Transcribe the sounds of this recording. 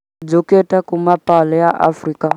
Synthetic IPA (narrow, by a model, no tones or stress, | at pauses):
d͡zɔkʼɛtʼakʼumapʼalɛjaʔa̰friːkʼa